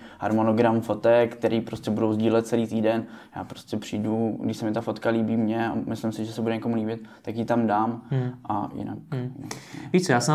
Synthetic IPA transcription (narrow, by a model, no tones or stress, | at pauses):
ha̰ɾmono̞ɡɾamfo̞t̪ɛkkkt̪ɛɾʔiːpɾoscɛbudowzɟiːlɛt̪̚t͡sɛliːt̪iːdɛnja̰ːpɾo̞scʲɛpr̝̥iːduɡdɪʃsɛmɪt̪afo̞t̪kaliːbiːmɲɛa̰mɪslɪmsɪʒɛsɛbudɛɲɛko̞muliːbɪt̪t̪ːakjit̪amdaːmʔa̰jɪ̰na̰kjɪnaviːt͡sojaːsɛ